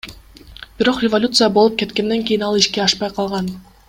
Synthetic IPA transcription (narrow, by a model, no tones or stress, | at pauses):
b̥iɾo̞qrʲɪvolʲut̪sɨjabolˠup̚ke̞t̪ke̞nd̪e̞ŋkʲijinɑlˠiʃke̞ɑʃpɑjqʰɑlˠʁɑn